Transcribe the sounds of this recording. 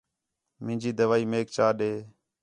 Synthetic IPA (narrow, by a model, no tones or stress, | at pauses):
mɪ̃ːd͡ʒiːd̪əʋaːiːmeːk̚t͡ʃaːɗeː